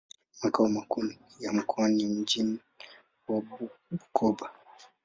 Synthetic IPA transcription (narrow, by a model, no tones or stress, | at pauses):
makaumakun | jam̩kʰɔanim̩d͡ʒim̩ | wabuukɔba